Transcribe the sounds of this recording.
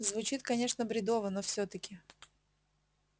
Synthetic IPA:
zvʊt͡ɕit̪kɐnʲe̞ʂnəbɾʲɪd̪ovənofsʲɵt̪əkʲɪ

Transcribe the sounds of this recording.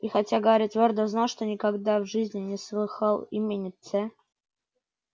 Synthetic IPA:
ixatʲaɡəvɐɾʲit̪vʲord̪əznalˠʂt̪onʲɪkaɡd̪avʐɨzʲnʲɪnʲɪslˠɨxalˠimʲenʲɪt̪sɛ

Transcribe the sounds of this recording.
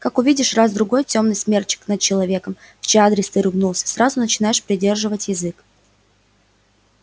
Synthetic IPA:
kakʊvʲidʲɪʂrazd̪ɾʊɡo̞jtʲo̞mnɨjsmʲe̞rt͡ɕɪ̥knət̪̚t͡ɕɪlˠɐvʲe̞kəm | ft͡ɕead̪ɾʲɪst̪ɨɾɨvnulˠsʲə̥sɾazʊnət͡ɕɪnajɪʂpɾʲɪdʲe̞rʐɨvətʲjɪzɨk

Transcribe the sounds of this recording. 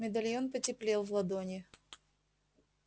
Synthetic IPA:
mʲɪd̪ɐlʲjonpətʲɪplʲelˠvlˠɐd̪onʲɪ

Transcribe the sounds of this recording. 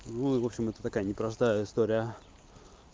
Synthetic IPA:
nuɪvo̞pɕːɪmɛt̪ət̪ɐkajənʲɪpɾɐst̪ajəɪst̪oɾʲɪjə

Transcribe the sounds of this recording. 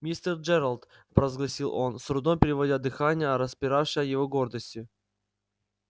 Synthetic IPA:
mʲist̪ərd͡ʒɛɾəlˠt̪ | pɾəəzɡlˠɐsʲilˠo̞nsɾʊd̪ompʲɪɾʲɪvɐdʲad̪ɨxanʲɪjəɾəspʲɪɾafʂɪjəjɪvoɡo̞rd̪əsʲtʲʊ

